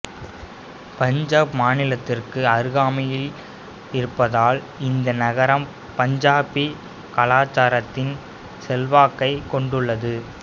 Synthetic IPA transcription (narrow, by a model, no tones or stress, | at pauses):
pɐɲd͡ʒaːpmaːnɪlɐt̪ːɪrkɯɐɾɯɣaːmɐjɪl | ɪɾɯpːɐðaːl | ɪnd̪ɐnɐɣɐɾɐm | pɐɲd͡ʒaːpi | kɐlaːt͡ʃːaːɾɐt̪ːɪn | sɛlʋaːkːɐɪkɔɳɖɯɭːɐðɯ